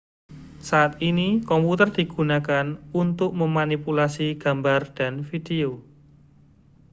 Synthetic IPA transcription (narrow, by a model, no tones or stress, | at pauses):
saʔat̪̚inikɔmput̪ərd̥iɡ̥unakanunt̪ʊk̚məmanipulasiɡ̥ambard̥anfid̥eo